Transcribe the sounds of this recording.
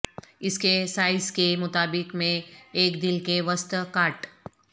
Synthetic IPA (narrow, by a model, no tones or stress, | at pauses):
ɪskesaːɪskemʊt̪aːbɪkmẽːkd̪ɪlkeʋəst̪kaːʈ